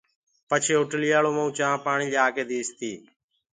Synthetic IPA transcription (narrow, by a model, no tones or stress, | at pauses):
pət͡ʃʰeːʊʈlijaːloːmə̃ũːt͡ʃãːpaːɳiːd͡ʒaːkeːd̪eːst̪iː